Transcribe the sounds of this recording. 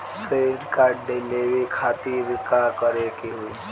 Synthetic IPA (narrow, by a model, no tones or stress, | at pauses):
sɾeɖkaːɖelewikʰaːt̪iɾkakəɾekiɦui